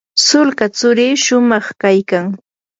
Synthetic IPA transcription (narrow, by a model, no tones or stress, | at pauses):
sʊlkat͡sʊɾiːʃʊmɑχkajkaŋ